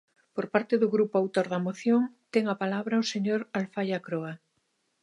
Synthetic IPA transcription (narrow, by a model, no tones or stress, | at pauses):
poɾpaɾt̪eðoɣɾupoawt̪oɾðamoθjoŋt̪eŋapalaβɾaoseɲoɾalfajakɾoa